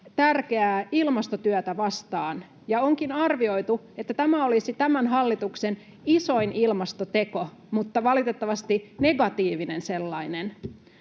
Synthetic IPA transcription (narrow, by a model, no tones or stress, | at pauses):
t̪ærkeæːilmɑst̪ot̪yæt̪æʋɑst̪ɑːn | jɑoŋkinɑrʋio̞it̪u | et̪ːæt̪æmæolisit̪æmænɦɑlːit̪uksen | iso̞inʔilmɑst̪ot̪eko | mut̪ːɑʋɑlit̪et̪ːɑʋɑst̪ine̞ɡɑt̪iːʋinenselːɑinen